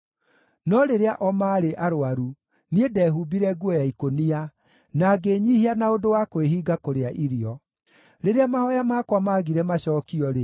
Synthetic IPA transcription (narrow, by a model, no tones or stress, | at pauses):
nɔɾeɾeaʔɔmaːɾeʔaɾoaɾu | niedɛɦubiɾɛɡwɔjaikonia | naɡeɲiːhianaodowakweɦiːɡakoɾeaʔiɾiɔ | ɾeɾeamahɔjamaːkwamaːɣiɾɛmaɕɔːkiɔɾe